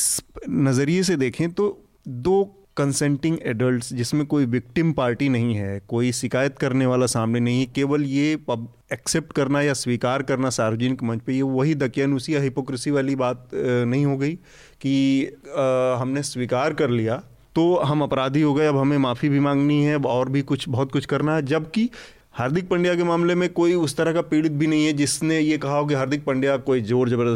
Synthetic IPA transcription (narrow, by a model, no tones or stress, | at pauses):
snɐzəɾies̬ed̪eːkʰẽt̪o | d̪oː | kɐ̃nsɛ̃ːɳʈɪ̃ŋɡɛːɖəlʈsd͡ʒɪsmẽkoːiʋɪk̚ʈɪmpaːɾʈinɐɦĩɦɛːkoːiʃɪkaːjət̪kɐɾneʋaːlasaːmnenɐɦĩɦɛkeːʋəljeɐb | ɛkseːp̚ʈkɐɾnajasʋiːkaːɾkɐɾnasaːɾʋəd͡ʒɪnɪkmɐ̃nt͡ʃpejeʋɐɦid̪ɐkjaːnuːsijaɦɪpoːkɾɪsiʋaːlibaːt̪̚nɐɦĩɦoɡɐi | ki | ɦɐmnesʋiːkaːɾkɐɾlija | t̪oɦɐmɐpɾaːd̪ʱiɦoɡɐeɐbɦɐmẽmaːfibʱimãːŋɡniɦɛbɔːɾbʱikʊt͡ʃʰbɐɦʊt̪̚kʊt͡ʃʰkɐɾnaɦɛd͡ʒɐbki | haːɾd̪ʱɪk̚pɐ̃ɳɖijak̬emaːmlemẽkoːiʊst̪ɐɾəɦkapiːɽɪt̪̚bʱinɐɦĩɦɛd͡ʒɪsnejekɐɦaɦok̬iɦɐɾd̪ʱɪk̚pɐ̃ɳɖijakoːid͡ʒoːɾd͡ʒɐb